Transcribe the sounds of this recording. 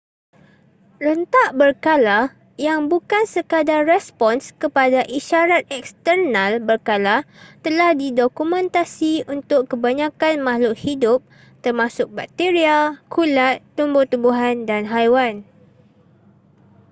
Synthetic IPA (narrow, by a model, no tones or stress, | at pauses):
rənt̪aʔbərkala | jaŋbukansəkadarrɛspɔnskəpadaʔiʃaɾat̪̚ɛkst̪ərnalbərkalat̪əlahdidokumɛ̃nt̪asiunt̪ʊkːəbaɲãkanmahlʊʔhidʊp̚ | t̪ərmãsʊk̚bak̚t̪eɾiakʰulat̪ːumbʊt̪ubuɦandanɦajwan